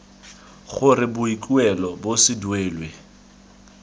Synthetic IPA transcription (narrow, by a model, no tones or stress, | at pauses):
χʊrɪbʊikʼuɛlɔbosɪdweːlwe